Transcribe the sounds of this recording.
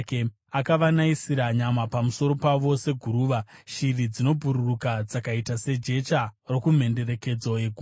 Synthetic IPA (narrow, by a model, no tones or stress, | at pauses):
ke | akaʋanaisiɾaɲamapamuso̞ɾo̞paʋo̞se̞ɡʱuɾuːʋaʃirid͡zino̞bʱuɾurukad͡zakaitase̞d͡ʒe̞t͡ʃaro̞kum̤e̞nde̞ɾe̞ke̞d͡zojeɡʱu